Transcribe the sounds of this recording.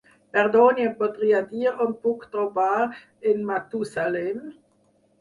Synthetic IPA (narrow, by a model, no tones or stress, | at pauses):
pɛʁd̪onjepot̪ʁiːad̪iːʁɔnpukt̪ʁobaːʁ | ɪnmat̪usalɛm